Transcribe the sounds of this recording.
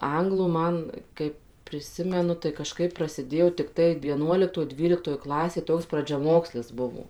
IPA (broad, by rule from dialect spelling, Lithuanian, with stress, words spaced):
ˈɐŋɡlˠuː ˈmɐn kɐɪp pʲrʲɪˈsʲɪmʲɛnʊ tɐɪ kɐˈʃkɐɪp prɐsʲɪˈdʲeːjoː tʲɪkˈtɐɪ ʋʲiɛˈnuɔlʲɪktoːj ˈdʲʋʲiːlʲɪktoːj ˈklˠɑːsʲeːj ˈtoːks prɐd͡ʒʲɛˈmoːksʲlʲɪs ˈbʊʋoː